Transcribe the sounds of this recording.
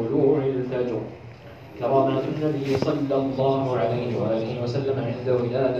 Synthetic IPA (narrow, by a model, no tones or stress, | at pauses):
ʊluːhʊʕɪlalt̪aːd͡ʒṵː | k̪amaːnazʊnːabijsˤɑlːɑlˤːɑːhʊʕalajhɪwa̰ʔaːlɪhɪwasalːamaʕɪnd̪awɪlaːd̪